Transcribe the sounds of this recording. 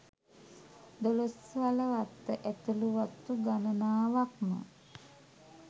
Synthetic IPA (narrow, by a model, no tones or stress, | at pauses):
d̪olosʋaləʋat̪ːəʔæt̪uluʋat̪ːuɡanənaːʋakmə̰